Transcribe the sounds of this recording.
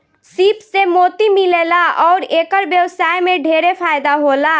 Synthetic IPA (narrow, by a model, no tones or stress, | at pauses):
sipsemot̪imilelaɔːɾekəɾbjəwsajmeɖʱeɾepʰajd̪aɦola